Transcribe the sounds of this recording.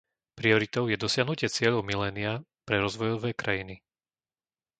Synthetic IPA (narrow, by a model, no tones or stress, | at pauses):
pɾiɔɾit̪ɔʊjɛd̪ɔsɪaɦnucɪɛt͡sɪɛʎɔʊmilɛːnia | pɾɛɾɔzʋɔjɔʋɛːkɾʔajini